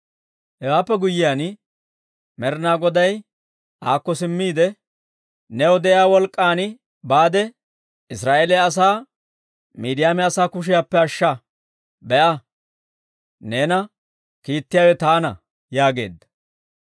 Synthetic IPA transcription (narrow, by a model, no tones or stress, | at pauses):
hɛwaːpːɛɡʊjːɪjaːn | mɛɾnaːɡɔd̪ɐj | ʔaːkːɔsɪmːiːd̪ɛ | nɛɔd̪ɛjaːwɔlkʼːaːn | baːd̪ɛ | ɪs̬ɾaːʔelɛɐs̬aː | miːd̪ɪjaːmɛɐsaːkʊʃ̬ɪjaːpːɛɐʃːɐ | bɛʔɐ | neːnɐ | kiːt̪ːɪjaːwɛt̪aːnɐ̰ | jaːɡe̞̰ːd̪ːɐ̥